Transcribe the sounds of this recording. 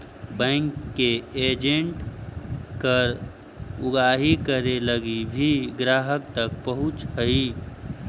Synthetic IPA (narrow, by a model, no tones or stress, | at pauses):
bɛ̃ŋkːeeːd͡ʒẽɳʈ | kəɾ | ʊɡaːɦikəɾeləɡibʱiɡɾaːɦək̚t̪ək̚pəɦʊ̃t͡ʃhəi